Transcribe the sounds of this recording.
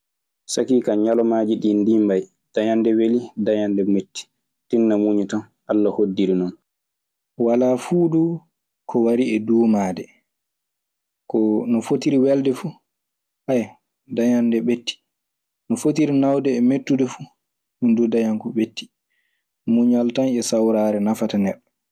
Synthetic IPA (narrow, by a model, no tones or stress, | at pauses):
sakiːkaɲalɔmaːd͡ʒiɗindimbaj | d̥ajandɛwelidajandɛmetːi̥ | tinːamuɲutan | ʔalːahodːiɾinɔn | walafuːdu | kʰɔwaɾiɛduːmaːdɛ | kɔnɔfotiɾiwɛldɛfu | haj | daɲandɛɓetːi̥ | nɔfotiɾinawdɛːmetːudɛfu | hundudaɲaŋkɔɓetːi̥ | muɲualtanɛsawɾaɾɛnafatanɛɗːɔ